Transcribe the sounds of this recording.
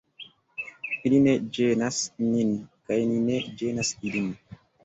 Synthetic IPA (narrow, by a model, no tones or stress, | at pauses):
ilined͡ʒenasninkajnined͡ʒenasilin